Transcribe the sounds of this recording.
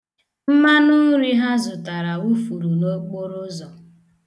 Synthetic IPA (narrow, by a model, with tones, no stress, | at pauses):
m̩˦ma˦nʊ˦ɾi˦ɦa˦zʊ˨ta˨ɾa˨wu˦fu˨ɾu˨no˦k͡po˦ɾʊ˦zɔ˨